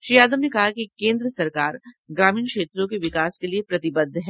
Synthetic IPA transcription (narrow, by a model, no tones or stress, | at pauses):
ʃɾiːaːd̪əmnekɐɦakikẽːnd̪ɾəsɐɾkaːɾ | ɡɾaːmiːnkʃeːt̪ɾõkeʋɪkaːskeliepɾɐt̪ɪbəd̪ʱɦɛː